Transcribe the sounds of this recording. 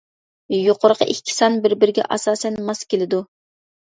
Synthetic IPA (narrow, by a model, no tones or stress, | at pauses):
joqʰʊɾəqʰɑ̰ʔikʲʰːi̥sɑnbɪɾbɪɾɪɡʲɛ̰ʔɑsɑːsɛnmɑskʲʰelɪd̪u